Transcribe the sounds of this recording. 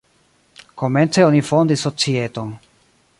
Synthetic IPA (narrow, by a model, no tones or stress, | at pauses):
ko̞me̞nt͡seonifo̞ndisːo̞t͡sieto̞n